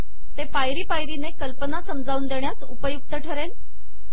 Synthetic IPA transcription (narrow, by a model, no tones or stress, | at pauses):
t̪epajɾiːpajɾinekəlpənasəmd͡zauːnd̪eɳ̃jasupəjuk̚t̪əʈʰəɾen